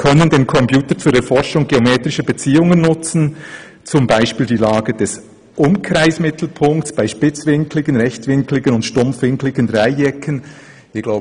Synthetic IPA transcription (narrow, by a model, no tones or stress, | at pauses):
kʰœnəndeːnkʰɔmpʰjuːtəɾt͡suːdɛfɔʃʊŋɡeomeːtɾɪʃəbət͡siːʊŋənːʊt͡sn̩ | t͡sʊmbaɪʃpiːldiːlaːɡəd̥ɛs | ʔʊmkɾaɪsmɪt̪ʰl̩pʰʊŋkt͡sb̥aɪʃpɪt͡svɪŋkʰlɪɡənʁɛçtvɪŋklɪɡənʊntʃtʊmfvɪŋklɪɡ̥ənʁaɪɛkʰən | ɪːɡ̥laʊb